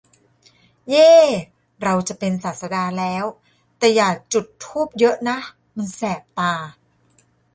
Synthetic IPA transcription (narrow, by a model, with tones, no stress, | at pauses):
jeː˥˩ | ɾa˧wt͡ɕa˨˩pe˧nsaː˨˩t̪̚sa˧daː˧lɛː˦˥w | t̪ɛː˨˩jaː˨˩k̚t͡ɕu˨˩t̪ʰːuː˥˩p̚jɤ˦˥ʔna˦˥ʔ | ma˧nsɛː˨˩p̚t̪aː˧